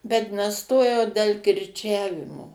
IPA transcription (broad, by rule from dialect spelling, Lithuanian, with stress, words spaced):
bʲɛt nʲɛˈstoːjɛʊ dʲɛlˠ kʲɪrʲˈt͡ʃʲæːʋʲɪmoː